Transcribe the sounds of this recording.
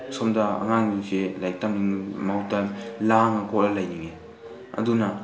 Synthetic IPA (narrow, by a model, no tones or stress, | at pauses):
somdɐɐ̰ŋaŋbukʰelajk̚tamniŋmawtɐnlaŋɐkʰoklɐlajniŋe | ɐ̰dunɐ